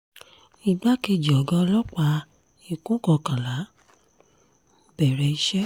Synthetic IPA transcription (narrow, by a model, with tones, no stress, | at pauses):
i˨ɡ͡ba˦ke˧˨d͡ʒi˨ɔ˨ɡã˧˦˧lɔ˦k͡pa˧˦ | i˦˨kũ˦kɔ˧kã˨la˨˦ | b̥ɛ˨ɾɛ˧i˧ʃɛ˦